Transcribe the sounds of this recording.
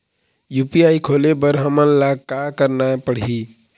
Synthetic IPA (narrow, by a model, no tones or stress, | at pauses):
jupiajkʰolebəɾɦəmənlaɡkakəɾnapəɽ̤ɦi